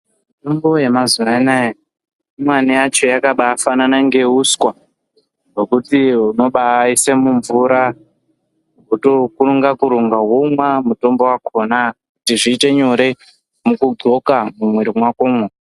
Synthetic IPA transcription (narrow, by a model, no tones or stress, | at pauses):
mito̞mbo̞jemazuanaja | imwanijat͡ʃo̞jakaɓaːfananaŋɡe̞uskwa | ɡokutiuno̞ɓaisemuɱvuɾa | kutokuuŋɡakuɾuŋɡaɦumwamuto̞mbo̞wakʰo̞nakutiʐiːte̞ɲo̞ɾe̞ | mukuɡo̞kamumweɾimwakoːmwa